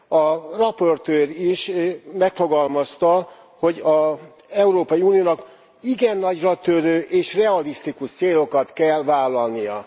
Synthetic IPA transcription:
ɒrɒpo̞rt̪øːriʃmɛkfo̞ɡɒlmɒst̪ɒ | ho̞ɟɒ | ɛuɾoːpɒjiuːnijoːnɒk | iɡɛnːɒɟrɒt̪øɾøːʔeːʃrɛɒlist̪ikuʃt̪seːlo̞kɒt̪kɛlvaːlːɒlnijɒ

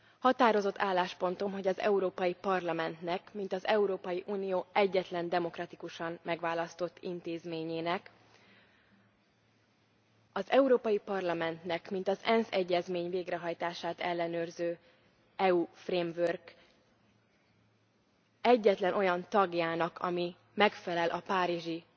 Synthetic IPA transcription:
hɒt̪aːɾo̞zo̞t̪ːaːlːaːʃpo̞nt̪o̞mɦo̞ɟɒzɛ̰uɾoːpɒjipɒrlɒmɛnt̪nɛkmint̪ɒzɛuɾoːpɒjiʔuːnijoːʔɛɟːɛt̪lɛnd̪ɛmo̞krɒt̪ikuʃɒmmɛɡvaːlɒst̪o̞t̪ːḭnt̪eːzmeːɲeːnɛk | ɒzɛuɾoːpɒjipɒrlɒmɛnt̪nɛkmint̪ɒzɛnsɛɟːɛzmeːɲveːɡɾrɛɦɒjt̪aːʃaːt̪ɛlːɛnøːrzøː | ɛufreːmvørɡ | ɛɟːɛt̪lɛnʔo̞jɒnt̪ɒɡjaːnɒkʰɒ̰mi | mɛkfɛlɛlʔɒpaːɾiʒi

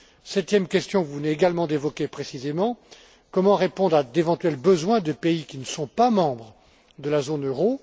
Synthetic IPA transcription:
sɛt̪jɛmkʲɛst̪jɔ̃vuvneeɡalmɑ̃d̪evɔkʲepχesizemɑ̃ | kɔmɑ̃ʁepɔ̃d̪ʁad̪evɑ̃t̪ɥɛlbəzwɛ̃d̪əpeikʲinəsɔ̃pamɑ̃bʁə | d̪əlazonøʁo

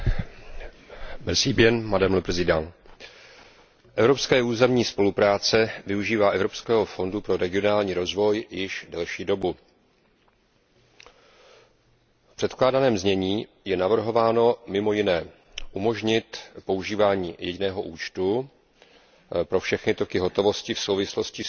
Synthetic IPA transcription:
m̩siːbjɛnmadɛmlbɾzɪdan | ʔɛvɾo̞pskɛːʔuːzɛmɲiːspo̞lupɾaːt͡sɛvɪuʒiːvaːʔɛvɾo̞pskɛːɦo̞fo̞ndupɾo̞ɾɛɡɪo̞naːlɲiːɾo̞zvo̞jjɪʃdɛlʃiːdo̞bu | fpr̥ɛt̪klaːdanɛːmzɲɛɲiː | jɛnavr̩ɦo̞vaːno̞mɪmo̞jɪnɛː | ʔumo̞ʒɲɪt̪po̞uʒiːvaːɲiːjɛɟɪnɛːɦo̞ʔuːt͡ʃt̪u | pɾo̞fʃɛxnɪt̪o̞kɪɦo̞t̪o̞vo̞scɪfso̞wvɪslo̞scɪ

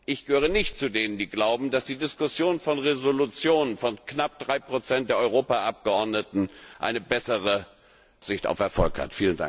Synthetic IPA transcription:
ʔɪçɡ̥əhøːʁ̞ənɪçt̚t͡sudeːnəndiːɡlaʊbm̩dasd̥iːdɪskʊsjoːnfɔnʁezolut͡sjoːnənfɔnknap̚d̥ʁaɪpʁ̥ot͡sɛnt̚d̥eːɐʔɔʁ̞oːpaʔap̚ɡ̥əʔɔɐdnətn̩ʔa̰ɪnəbɛsəʁə | z̥ɪçta̰ʊfɛɐfɔlkha̰tfiːlənda̰ŋk̚

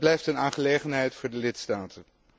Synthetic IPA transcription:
blɛjftənaːnχəlejχənɦɛjtfʊːɹdəlɪtstaːtʰə

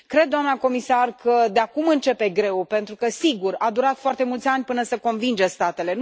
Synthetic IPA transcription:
kɾe̞d̪dːoamnako̞misarkʰəd̪eakumɨnt͡ʃe̞pe̞ɡɾe̞wpe̞nt̪ɾukəsiɡurad̪uɾat̪foart̪e̞mult̪sʲanʲpɨnəsəko̞nvind͡ʒəst̪at̪e̞le̞

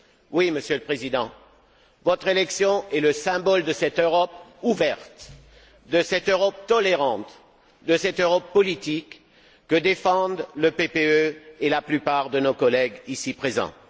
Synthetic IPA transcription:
wiməsjøləpχezid̪ɑ̃ | vɔt̪χelɛksjɔ̃ɛləsɛ̃bɔld̪əsɛt̪øʁɔpuvɛʁt̪ | d̪əsɛt̪øʁɔp̚t̪ɔleʁɑ̃t̪ | d̪əsɛt̪øʁɔpːɔlit̪ikː | əd̪efɑ̃d̪ləpepeøelaplypaʁd̪ənokɔlɛɡisipχezɑ̰̃

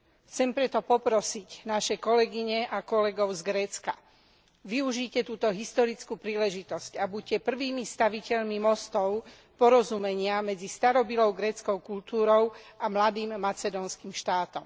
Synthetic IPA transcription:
xt͡sɛmpɾɛt̪ɔpɔpɾɔsicnaʃɛkɔlɛɡiɲɛʔakɔlɛɡɔʊzɡɾɛːt͡ska | ʋiuʒiːcɛt̪uːt̪ɔɦist̪ɔɾit͡skupɾiːlɛʒit̪ɔscabucɛpr̩ʋiːmist̪aʋicɛʎmimɔst̪ɔʊ | pɔɾɔzumɛɲɪamɛd͡zist̪aɾɔbilɔʊɡɾɛːt͡skɔʊkult̪uːɾɔʊamlad̪iːmːat͡sɛd̪ɔnskimʃt̪aːt̪ɔm

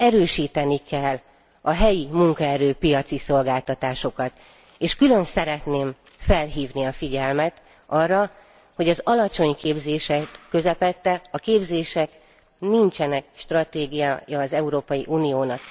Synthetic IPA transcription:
ɛɾøːʃiːt̪ɛnikɛlː | ɒɦɛjimuŋkɒɛɾøːpijɒt̪siso̞lɡaːlt̪ɒt̪aːʃo̞kɒt̪ | eːʃkylø̞nsɛɾɛt̪neːm | fɛlɦiːvniɒfiɟɛlmɛt̪ | ɒrːɒ | ho̞ɟɒzɒlɒt͡ʃo̞ɲkeːbzeːʃɛkːø̞zɛpɛt̪ːɛɒkeːbzeːʃɛk | nint͡ʃɛnɛk̚ʃt̪rɒt̪eːɡijajɒːzɛuɾoːpɒjiʔuːnijoːnɒk

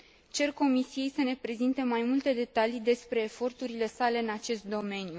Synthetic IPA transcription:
t͡ʃe̞rko̞misije̞jsəne̞pɾe̞zint̪emajmult̪e̞d̪e̞t̪alid̪e̞spɾe̞ːfo̞rt̪uɾile̞sale̞ɨnat͡ʃe̞st̪̚d̪o̞me̞nju

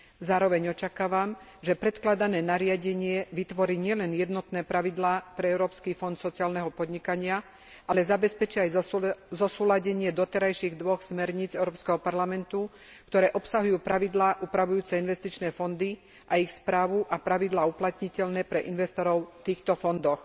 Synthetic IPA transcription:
zaːɾɔʋɛɲɔt͡ʃakaːʋam | ʒɛpɾɛt̪klad̪anɛːnaɾɪaɟɛɲɪɛʋit̪ʋɔɾiːɲɪɛlɛnjɛd̪nɔt̪nɛːpɾaʋid̪laːpɾɛɛʊɾɔːpskiːfɔnt̪sɔt͡siaːlnɛɦɔpɔd̪ɲikaɲɪa | ʔalɛzabɛspɛt͡ʃiajzɔsuːlaɟɛɲɪɛd̪ɔt̪ɛɾajʃiɣd̪ʋɔxsmɛɾɲiːd͡zɛʊɾɔːpskɛɦɔpaɾlamɛnt̪u | kt̪ɔɾɛːʔɔpsaɦujuːpɾaʋid̪laːʔuːpɾaʋujuːt͡sɛinʋɛst̪it͡ʃnɛːfɔnd̪i | ʔaixspɾaːʋuʔapɾaʋid̪laːuplat̪ɲicɛʎnɛːpɾɛʔinʋɛst̪ɔɾɔʊft̪iːxt̪ɔfɔnd̪ɔx

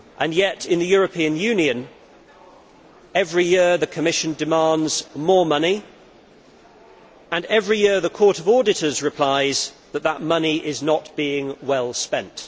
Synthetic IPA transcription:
ʔə̃njɛtɪ̃nðəjɔːɹəpʰĩə̃njʉ̃njiə̃n | ɛvɹijɪəðəkʰəmɪʃɨ̃ndɪmɑ̃ndz̥mɔːmʌni | ə̃nɛvɹijɪɹðəkʰɔˑɾəvɔːdɪtəzɹɨpʰl̥aɪzðəʔ̪̚ðəʔ̚mʌniʔɪznətb̥iɪ̃ŋwɛlˠspɛ̃nt

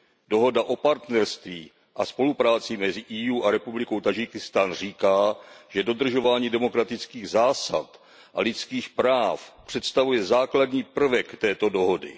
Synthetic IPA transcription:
do̞ɦo̞daʔo̞paɾt̪nɛɾst̪viː | ʔa̰spo̞lupɾaːt͡sɪmɛzɪʔiːjuːʔaɾɛpublɪko̞wt̪ad͡ʒɪkɪst̪aːnr̝iːkaːʒ̥ɛdo̞d̪r̩ʒo̞vaːɲiːdɛmo̞kɾat̪ɪt͡skiːɣzaːsa̰t̪ | ʔalɪt̪t͡skiːxpɾaːfpr̝̥ɛt̪st̪avujɛzaːkladɲiːpr̩vɛkt̪ɛːt̪o̞do̞ɦo̞dɪ̰

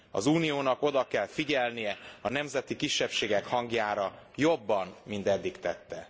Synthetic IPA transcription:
ɒ̰zuːnijoːnɒko̞d̪ɒkɛlfiɟɛlnijɛɒnɛmzɛt̪ikiʃːɛpʃeːɡɛkhɒŋɡjaːɾɒjo̞bːɒnmint̪ɛd̪ːikt̪ɛt̪ːɛ

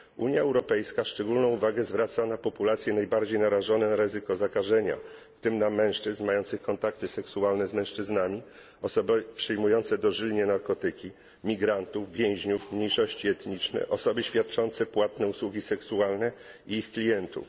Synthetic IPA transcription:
ʔṵɲjaɛwɾɔpɛjskaʂt͡ʂɛɡulnɔ̃w̃uvaɡɛzvɾat̪sanapɔpulat̪sʲjɛnajbaɾd͡ʑejnaɾaʐɔnɛnaɾɘzɘkɔzakaʐɛɲa̰ft̪ɘmnamɛ̃w̃ʂt͡ʂɘznmajɔnt̪sɘxkɔnt̪ak̚t̪ɘsɛksualnɛzmɛ̃w̃ʂt͡ʂɘznamʲi | ɔsɔbɘpʂɘjmujɔnt̪sɛd̪ɔʐilʲɲɛnaɾkɔt̪ɘkʲi | mʲiɡɾant̪uvvʲjɛ̃w̃ʑɲufmɲejʂɔɕt͡ɕiɛt̪ɲit͡ʂnɛ̰ʔɔsɔbɘɕfʲjat̪̚t͡ʂɔnt̪sɛpwat̪nɛuswuɡʲisɛksualnɛ | iixklʲijɛnt̪ṵf

